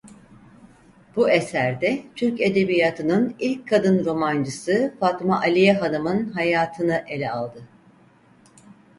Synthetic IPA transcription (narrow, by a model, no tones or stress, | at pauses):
b̥uesæɾd̪ɛt̪ʰyɾce̞d̪e̞bijat̪ʰɯnɯnilʲcʰkʰːad̪ɯnɾo̞mand͡ʒɯsɯfat̪maʔalʲijɛɦad̪amɯnɦajaːt̪ʰɯnɯʔe̞lʲɛalˠd̪ɯ